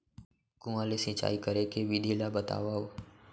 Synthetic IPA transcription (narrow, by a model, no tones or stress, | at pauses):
kũːaːleːsĩːt͡ʃa̰ːiːkəɾeːkeːʋiːd̪ʱiːlaːbət̪a̰ːʋaːoː